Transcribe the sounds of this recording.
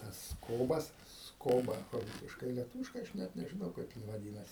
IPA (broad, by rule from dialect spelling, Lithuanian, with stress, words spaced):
ˈtɐs ˈskoːbɐs ˈskoːbɐ ˈruːsʲɪʃkɐɪ lʲiɛˈtuːʋʲɪʃkɐɪ ˈɐʃ ˈnʲɛt nʲɛʒʲɪˈnɐʊ ˈkɐɪp jɪn ʋɐˈdʲiːnɐsʲɪ